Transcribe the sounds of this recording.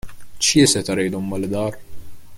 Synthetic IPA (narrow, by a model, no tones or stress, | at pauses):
t͡ʃjɪsɛt̪ɐɾɛjd̪ɔmːɐld̪ɐːɾ